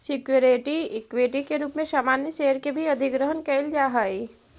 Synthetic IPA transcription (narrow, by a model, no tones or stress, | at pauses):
sɪkjoɾeʈiɪkweʈikeɾuːpmẽsaːmaːnjəseːəɾkebʱiɐd̪ʱɪɡɾəɦənkɛːld͡ʒaːɦaːi